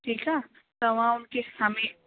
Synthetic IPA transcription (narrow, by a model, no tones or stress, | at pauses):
ʈʰiːkaː | t̪oʋɐɦãʊnkesaːmẽ